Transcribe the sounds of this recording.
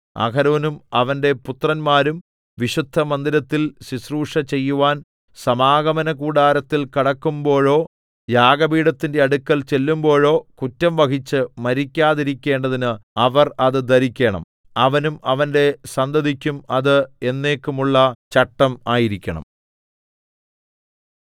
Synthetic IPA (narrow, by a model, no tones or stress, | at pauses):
ɐ̰kʰɐɾɐʋɐnumɐʋɐnde̞put̪rɐnmaːɾum | ʋiɕud̪ʱːɐmɐnd̪iɾɐt̪ːilsisruːʂɐt͡ɕe̞jːuʋaːn | sɐmaːɡɐmɐnɐkuːɽaːɾɐt̪ːilkiɽɐkːumbo̞ːɻo̞ː | jaːɡɐbiːɽɐt̪ːinde̞ɐɽukːɐlt͡ɕe̞lːumbo̞ːɻo̞ːkutːɐmʋɐkit͡ɕːɨmɐɾikʲːaːðiɾikʲːe̞ːɳɖɐðinɨɐʋɐrɐðɨd̪ɐɾikʲːeːɳɐ̰m | ɐʋɐnumʔɐʋɐnde̞sɐnd̪ɐd̪ʱikʲːumɐðɨe̞nːe̞ːkːumuɭːɐt͡ɕɐʈːɐmaːjiɾikʲːɐɳɐ̰m